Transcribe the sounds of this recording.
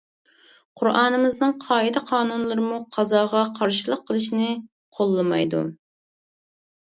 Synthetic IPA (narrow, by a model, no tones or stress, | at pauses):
qʰʊɾʔɑːnɨmɨznɨŋqʰɑːjid̪ɛqʰɑːnunlˠɨɾɨmuqʰɑzɑːʁɑqʰɑɾʃilˠəqʰːəlˠɨʃnɪ | qʰolˠːɨmɑ̰jd̪ṵ